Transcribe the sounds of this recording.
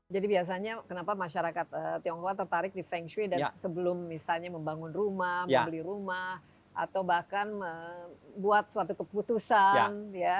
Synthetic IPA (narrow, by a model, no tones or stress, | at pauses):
d͡ʒadibias̬aɲakənapamaʃaɾakat̪̚ət̪iɔŋkowat̪ərt̪aɾɪk̚difɛŋʃwidasəbəlʊmːisalɲaməmbaŋʊnrumahməmbəliɾumah | ʔa̰t̪awbahkanəbuat̪̚səwat̪̬ukəput̪usanja